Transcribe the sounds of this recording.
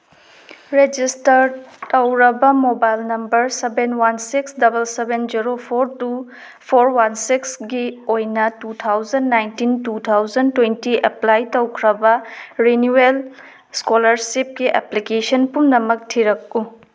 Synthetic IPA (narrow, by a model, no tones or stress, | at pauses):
ɾed͡ʒistɐɾtɐwɾɐbɐmobajlnɐmbɐɾsebenwansiksdɐbɐlsebend͡ʒiɾopʰoɾtu | pʰoɾwansiksɡiojnɐtut̪ʰawzɐndːajntintut̪ʰawd͡ʒɐntwentiʔeplajtɐwkʰɾɐbɐɾenuel | skolɐɾsip̚ɡiʔḛplikesɐnpumnɐmɐk̚tʰiɾɐk̚u